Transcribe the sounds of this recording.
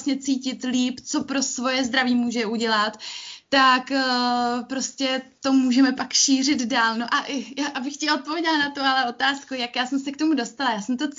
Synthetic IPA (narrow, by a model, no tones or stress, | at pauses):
sɲɛt͡siːcɪt̪liːpt͡so̞pɾo̞svo̞jɛzd̪ɾaviːmuːʒɛʔuɟɛlat̪ːakː | pɾo̞scɛt̪o̞muːʒɛmɛpakʃiːr̝ɪd̪daːlno̞ʔaʔjaʔabɪxcɛo̞t̪̚povʲidanat̪oalɛʔo̞t̪aːskujakjaːsɛmsɛk̚t̪o̞mudo̞st̪alajaːsɛmt̪o